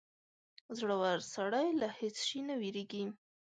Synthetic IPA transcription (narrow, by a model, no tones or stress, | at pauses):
zɽəwaɾsaɽajlahet͡sʃinawiɾeɡi